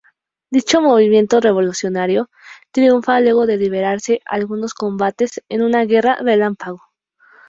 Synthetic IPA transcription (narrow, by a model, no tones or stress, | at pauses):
d̪it͡ʃo̞mo̞β̞imje̞nt̪o̞re̞β̞o̞lusjo̞naɾjo̞ | t̪ɾiuɱfalwe̞ɣo̞ðe̞liβ̞e̞ɾaɾse̞ʔalɣuno̞sko̞mbat̪e̞senũnaɣe̞rare̞lampaɣ̞o̞